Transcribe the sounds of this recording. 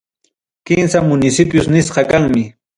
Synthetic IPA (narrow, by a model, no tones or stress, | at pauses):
kɪnsamʊnɪsɪpjʊsnɪsqɑkaŋmɪ